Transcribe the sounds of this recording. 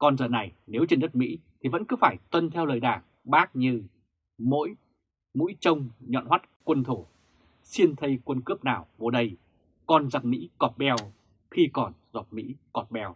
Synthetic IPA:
kɔ˨˩nzəː˨˩na˨˩jne˨˦wt͡ɕe˧nɗə˦˥t̚mḭ˧˥t̪ʰi˨˩və̰˧˥nkɨ˨˦faː˧˩jt̪wə˧nt̪ʰɛ˧wləː˨˩jɗaː˧˩ŋ | ɓaː˦˥k̚ɲɨ˧ | mo̰˧˥j | mṵ˧˥jt͡ɕə˧wŋ͡mɲɔ̰˧˨nɦwa˦˥t̚kwə˧nt̪ʰo˧˩ | si˧ənt̪ʰə˧jkwə˧nkɨ˦˥əp̚naː˨˩wko˨˧˩ɗə˧j | kɔ˨˩nza˨˩mḭ˧˥kɔ˨˩t̚ɓɛ˧w | xi˧kɔ˨˩nzɔ˨˩t̚mḭ˧˥kɔ˨˩t̚ɓɛ˧w

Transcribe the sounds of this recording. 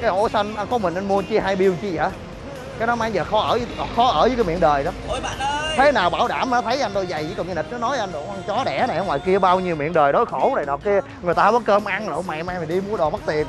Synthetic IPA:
kaː˨˦jʔo˧˨˦sə˧n˧ʔa˧nkɔ˨˦mï˨˩ŋ̟ʔa˧nmu˧ət͡ɕi˧ɦaː˧jɓi˧əwt͡ɕi˧za̰ː˧˨˦ | kaː˨˦jɗɔ˨˦ma˧jzəː˨˩xɔ˨˦ʔəː˧˩zxɔ˨˦ʔəː˧˩zəː˨˦kːaː˨˦mḭ˧˨ənɗəː˨˩jɗɔ˨˦ | t̪ʰe˨˦naː˨˩wɓaː˧˩wɗaː˧˩mː˨˩˨t̪ʰə˨˦jʔa˧n̟t̪o˧jza˨˩ji˨˦kɔ˨˩ɲ˧ni˨˩t̚nɔ˨˦nɔ˨˦jʔa˧nɗʔa˧nt͡ɕɔ˨˦ɗɛ̰˧˩na˨˩˨ŋwaː˨˩jki˧əɓaː˧wɲi˧əwmḭ˧˨ənɗəː˨˩jɗo˨˦jxo˧˩wna˨˩jnɔ˨˩kːi˧ə | ŋɨ˨˩əjt̪aː˧vɔ˨˦kəː˧mʔa˧n˨˦ma˨maː˧mi˨˩ɗi˧mu˨˦əɗɔ˨˩ma˦˥t̚t̪i˨˩ən

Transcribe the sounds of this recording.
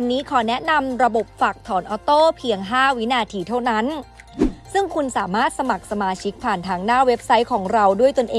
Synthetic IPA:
a˧nːiː˦˥kʰɔː˩˦nɛ˦˥ʔna˧mɾa˧bo˨˩p̚faː˨˩k̚t̪ʰɔː˩˦nʔɔː˧˦t̪oː˥˩pʰi˧əŋɦaː˥˩wi˦˥naː˧t̪ʰiː˧t̪ʰa˥˩wna˦˥n | sɯ˥˩ŋkʰu˧nsaː˩˦maː˥˩t̪̚sa˧ma˨˩k̚sa˧maː˧t͡ɕʰi˦˥k̚pʰaː˨˩nt̪ʰaː˧ŋnaː˥˩we˦˥p̚sa˦˥jkʰɔː˩˦ŋɾa˧wdu˥˩əjt̪o˧nʔeː˧

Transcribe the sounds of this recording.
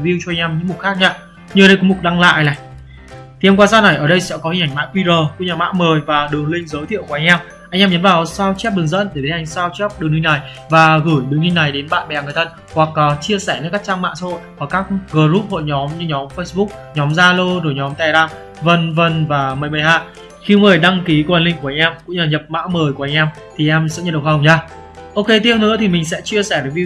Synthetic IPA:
vi˧wt͡ɕɔ˧ʔjŋ̟ʔɛ˧mɲɨ̰˧˥ŋmu˨˩t̚xaː˦˥k̚ɲaː˧ | ɲɨ˧ə˨ɗə˧jkɔ˨˦mu˨˩t̚ɗa˧ŋla̰ː˧˨jlaː˨˩j | t̪ʰi˨ʔɛ˧mkwaː˧˩saː˦˥na˨˩jʔəː˧˩ɗə˧jsɛ̰˧˥kɔ˨˦hi˨ŋ̟ʔa˧˩ŋ̟ma̰ː˧˥kwi˧zəː˨˩ku˧˩˥ɲaː˨˩ma̰ː˧˥məː˨˩jvaː˨˩ɗɨ˨˩əŋlï˧ŋ̟zəː˨˦t̪ʰḭ˧˨əkːʔa˧ŋ̟ʔɛ˧m | ʔa˧jŋʔɛː˧mɲə˨˦nvaː˨˩wsaː˧wt͡ɕɛ˦˥p̚ɗɨ˨˩əŋzə̰˧˥nɗ̪e˧˩ɗe˨˦ʔa˨˧˩jŋ̟saː˧wt͡ɕɔ˦˥p̚ɗɨ˨˩əŋɲi˧na˨˩j | vaː˨˩ɣɨ˧˩jɗɨ˨˩əŋɲi˧ŋna˨˩jɗe˨˦nɓa̰ː˧˨nɓɛ˨˩ŋ˨˩jt̪ʰə˧n | hwa˨˩k̚ːt͡ɕi˧əsɛː˧˩nː˧˥kaː˦˥k̚t͡ɕaː˧ŋma̰ː˧˨ŋsa̰ː˧˥ho̰˧˨jhɔː˧˩kaː˦˥k̚ɣəː˨˧˩zu˦˥p̚ho̰˧˨jɲɔ˨˦mɲɨ˧ɲɔ˨˦mfə˧jsɓʊ˦˥k̚ɲɔ˨˦mzaː˧lo˧zo˧˩jɲɔ˨˦mt̪ɛ˨˩laː˧˩m | və˧˩nvə˧˩nvaː˨˩məː˨˩jmə˨˩jɦaː˧ | xi˧ŋɨ˨˩əjɗa˧ŋki˨˦ku˧˩˨ʔə˨˩nlï˧˨ŋku˧˩a˧˩ʔɛ˧mkʊ̰˧˥ŋ͡mlaː˨˩ɲə˨˩p̚ma̰ː˧˥məː˨˩jku˧˩ʔa˧jŋʔɛ˧m | t̪ʰi˨˩ʔɛ˧msɛ̰˧˥ɲə˨˩ɗə˨˩w̚ɦə˨˩wɲaː˧ | ʔo˧ke˧t̪i˧ə˧wnɨ̰˧˥t̪ʰi˨˩mï˨˩ŋ̟sɛ̰˧˥t͡ɕi˧əsɛ˧˩ɗə˨˦vi˧

